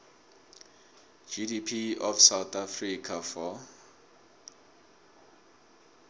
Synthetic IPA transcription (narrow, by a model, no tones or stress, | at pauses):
d͡ʒidipʰiɔfsawt̪ʰafrikʰafɔ